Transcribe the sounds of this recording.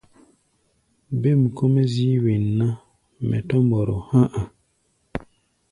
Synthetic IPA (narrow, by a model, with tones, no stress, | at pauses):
be˦˨m˨ko˦me˦zi˦wi˨nːa˦ | mɛ̰˨tɔ˦mbɔ˨ɾo˨hã˦ʔa˨